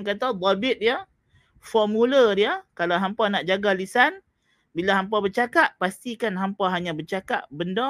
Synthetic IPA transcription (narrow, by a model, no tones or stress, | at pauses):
ŋkat̪̬ab̪abɪt̪̚dija | fɔmulədiakalawɦampanaʔd͡ʒaɡalisan | bilaɦampabət͡ʃakaʔpast̪ikanɦampaɦaɲãbət͡ʃakaʔbəndɔ